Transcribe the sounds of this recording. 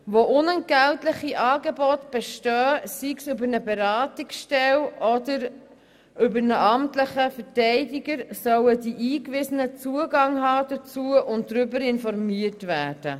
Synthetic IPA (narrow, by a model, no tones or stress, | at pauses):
ʋoʔʊnənɡ̥æltləχiʔɑːɡebɔt̪b̥ɛʃtœːsiksʏbəɾnəbeɾɑːtiksʃtɛlɔdəɾ | ʏbəɾnəʔɑmtləχəfətɛɪdiɡəɾsœwədiʔiːkʋɪsənət͡suəɡɑŋɦɑːd̥ət͡suəʔʊnt̚dɾʏbəɾɪnfɔɾmiətvæːɾd̥ə